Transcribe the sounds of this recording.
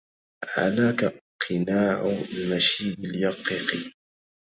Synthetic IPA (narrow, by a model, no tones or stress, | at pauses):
ʕa̰laːkaqʰɪnaːʕmaʃiːbɪljɑqːiqi